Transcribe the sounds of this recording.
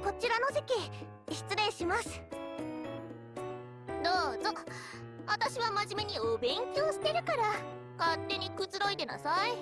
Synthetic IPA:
ko̞t͡ɕiɾano̞ʑikʲi | ɕi̥t͡sɨɾẽ̞ɰ̃ɕimasɨ̥ | d̪oːzo | βat̪aɕiβamaʑime̞ɲ̟iobẽ̞ŋkʲioɕi̥t̪e̞ɾɯ̟kaɾa | kat̪ːe̞ɲ̟ikɯ̟t͡sɨɾo̞id̪e̞na̰sai

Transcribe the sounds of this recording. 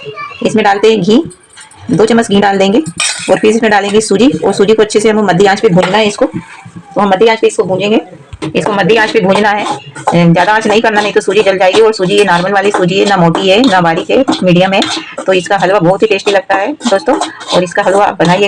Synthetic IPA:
ɪsmẽɖaːlt̪eɦɛ̃ɡʱĩː | d̪oːt͡ʃɐmːəsɡʱĩːɖaːld̪ẽːŋɡeːɔːɾpʰɪɾsɪsmẽɖaːlẽːŋɡesuːd͡ʒiɔ̰ːɾsuːd͡ʒikoɐtːʃʰeseɦɐmkomɐd̪ʱːiãːt͡ʃbʱibʱũːɲd͡ʒnaɦɛɪskot̪oɦɐmːɐd̪ʱːiãːt͡ʃbiɪskobʱũːd͡ʒẽːŋɡeː | ɪskomɐd̪ʱːiãːt͡ʃbʱibʱũːd͡ʒnaɦɛzjaːd̪aãːt͡ʃnɐɦĩkɐɾnamɦĩt̪osuːd͡ʒid͡ʒɐld͡ʒaːeɡiɔːɾsuːd͡ʒijenaːɾməlʋaːlisuːd͡ʒiɦɛnamɔːʈiɦɛnabaːɾikɦɛmiːɖijəmɦɛt̪oɪskaɦɐlʋabɔɦʊt̪ɦipeːʃʈilɐɡ̚t̪aɦɛd̪oːst̪õɔ̰ːɾɪskaɦɐlʋa̰bɐnaːie

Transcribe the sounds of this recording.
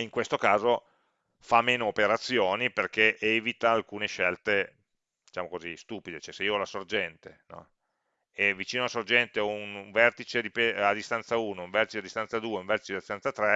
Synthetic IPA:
iŋkwest̪okaːzo | famːeːnoːpeɾat̪sːjoːniperk̟eʔɛvit̪aːlkuːneʃɛlt̪e | d̪̥it͡ʃaːmokozist̪uːpid̪et͡ʃɛseiːoɔlasord͡ʒɛnt̪enɔ̰ | evit͡ʃiːnoalasord͡ʒɛnt̪eɔunɱvɛrt̪it͡ʃed̪ipead̪ːist̪ant̪sauːnouɱvɛrt̪i̥t͡ʃead̪ːist̪ansad̪uːeuɱvɛrt̪it͡ʃead̪ist̪ansat̪ɾɛ

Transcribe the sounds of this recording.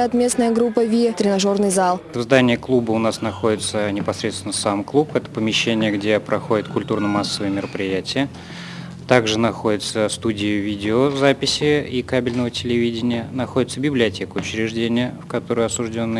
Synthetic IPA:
at̪mʲe̞snəjəɡɾupːəvʲit̪ɾʲɪnɐʐo̞rnɨjzalˠvzd̪anʲɪjəklˠubəʊnasnɐxo̞dʲɪt̪sənʲɪpɐsɾʲet̪st̪ʲɪnəsamklˠupɛt̪ə̥pəmʲɪɕːenʲɪjəɡdʲe̞pɾʔɐxo̞dʲɪt̪̚kʊlʲt̪urnəmasːəvəjəmʲɪɾəpɾʲɪjætʲɪjə | t̪aɡʐɨnɐxo̞dʲɪt̪səst̪udʲɪjɪvʲidʲɪozapʲɪsʲɪikabʲɪlʲnəvətʲɪlʲɪvʲidʲɪnʲɪjənɐxodʲɪt̪səbʲɪblʲɪɐtʲe̞kəʊt͡ɕɾʲɪʐdʲenʲɪjəfkɐt̪o̞ɾʊjɐsʊʐdʲo̞nːə

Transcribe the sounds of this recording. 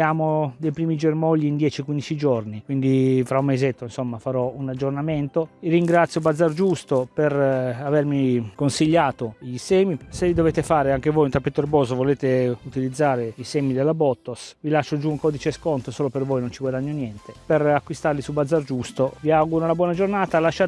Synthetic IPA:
aːmod̪ejpɾiːmid͡ʒermɔʎːiːnd̪jɛːt͡ʃikwind̪it͡ʃid͡ʒornikwind̪ifɾaumːezet̪ːoinsomːafaɾɔunad͡ʒːornament̪oirːiŋɡɾat̪sːjobad̪zːard͡ʒust̪operavermikonsiʎːaːt̪oʎisɛːmisevid̪oveːt̪efaːɾeaŋk̟evojunt̪apːet̪oerbɔːzovoleːt̪eut̪ilid̪zːaːɾeisɛːmid̪elːabɔt̪ːosvilaʃːod͡ʒuuŋkɔːd̪it͡ʃeskont̪osoːlopervojnont͡ʃiɡwad̪aɲːonjɛnt̪eperakːwist̪arlisubad̪zard͡ʒust̪oviaɡuɾonabwɔnad͡ʒornaːt̪alaʃːa

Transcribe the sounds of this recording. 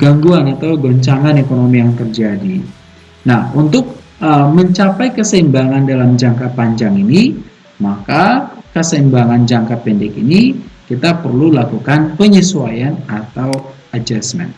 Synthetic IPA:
ɡaŋɡuanat̪awɡoɲt͡ʃaŋanekonomijaŋt̪ərd͡ʒadi | nahunt̪ʊk̚ | əməɲt͡ʃapajkəsəimbaŋandalamd͡ʒaŋkapaɲd͡ʒaŋini | makakəsəimbaŋand͡ʒaŋkapɛndɛkinikit̪apərlulakukanpəɲisuajanat̪aw | ad͡ʒasmɛ̰n

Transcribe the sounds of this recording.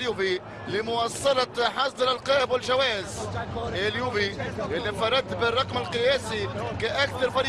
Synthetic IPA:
juːbi | lɪmʊwɑsˤːɑlɑħɑsˤd̪ˤɾalqɑːʔɪbwɪlʒawæːɪzʔeljuːbiʔɪlːibfɑɾˤɑd̪ːbɪrˤːɑqmalqɨjæːsikaʔakθɑɾˤfɑɾ

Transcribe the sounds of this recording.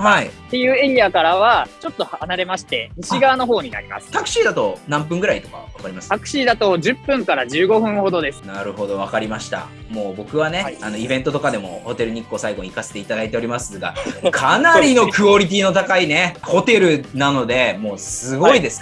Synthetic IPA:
hait̪ejɯːe̞ɾʲiakaɾaβat͡ɕo̞t̪ːo̞hanaɾe̞maɕi̥t̪e̞ɲiɕiɡaːno̞ɦo̞ːɲ̟ina̰ɾʲima̰sɨ̥t̪akɯ̟ɕiːd̪at̪o̞nãmp̬ɯ̟̃ŋɡɯ̟ɾait̪okaβakaɾʲimast̪akɯ̟̥ɕiːd̪at̪o̞ʑɨpːɯ̟̃ŋkaɾaʑɨːɡo̞ɸɯ̟̃ɰ̃ho̞d̪o̞d̪e̞sɨ̥naɾɯ̟ho̞d̪o̞β̞akaɾʲimaɕi̥t̪a̰ | mo̞ːbo̞kɯ̟βane̞ano̞ibẽ̞nt̪o̞t̪o̞kad̪e̞mo̞ho̞t̪e̞ɾɯ̟ɲ̟ikːo̞ːsaiɡo̞ɲ̟ikaset̪e̞it̪ad̪ait̪e̞o̞ɾʲimasɨɡa̰kʰanaɾʲino̞kɯ̟o̞ɾʲit̪̬ʲiːno̞t̪akaine̞ho̞t̪e̞ɾɯ̟nanod̪e̞mo̞ːsɨɡo̞id̪e̞sɨ̥k

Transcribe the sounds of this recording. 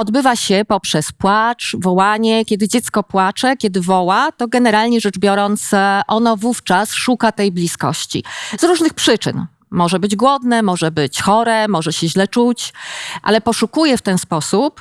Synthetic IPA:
ɔd̪bɘvaɕɛpɔpʂɛspwat͡ʂvɔwaɲɛkʲɛd̪ɘd͡ʑɛt̪skɔpwat͡ʂɛkʲjɛd̪ɘvɔwat̪ɔɡɛnɛɾalɲɛʐɛd͡ʐbʲjɔɾɔnt̪sʔɔnɔvuft͡ʂasʂukat̪ɛjblʲiskɔ̰ɕt͡ɕḭzɾuʐnɘxpʂɘt͡ʂɘ̰n | mɔʐɛbɘd͡ʑɡwɔd̪nɛmɔʐɛbɘt͡ɕxɔɾɛmɔʐɛɕɛʑlɛt͡ʂut͡ɕʔa̰lɛpɔʂukujɛft̪ɛnspɔsup

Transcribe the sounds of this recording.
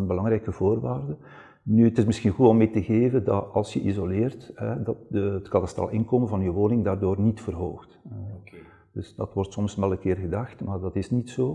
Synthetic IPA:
ənbəlɑŋɾɛjkəvoːrʋaːrdə | nyətɪsmɪsxinɣutɔmːeːtəɣeːvəndɑ̰tɑ̰lˠsjəʔizolɪːrtɦɛdɑt̚dəətkɑtasta̰ːlɪnkoːmənvɑnjəʋoːnɪŋdaːrdoːrnitfərɦo̰ːxtɛ | d̥ɵsdɑtwɔrtsɔmsmɛlˠəkɪːrɣədɑxtmaːrdɑtɪsnitsoː

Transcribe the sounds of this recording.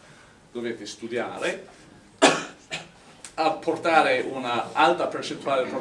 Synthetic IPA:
d̪̥oveːt̪est̪ud̪ja̰ːɾe | apʰːort̪aːɾeʔunaalt̪apert͡ʃent̪uaːlepɾo

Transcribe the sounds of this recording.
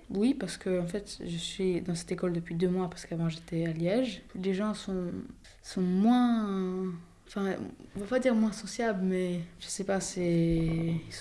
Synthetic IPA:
wipaʁsə̥kəɑ̃fɛt̪ʒəsɥid̪ɑ̃sɛ̥t̪ekɔld̪əpɥid̪ømwapaʁsə̥kavɑ̃ʒet̪ɛaljɛʒleʒɑ̃sɔ̃ | sɔ̃mwɛ̃ | ɑ̃fɛ̃ɔ̃vapad̪iʁmwɛ̃sɔsjabləmɛʒəsɛpasɛ | is

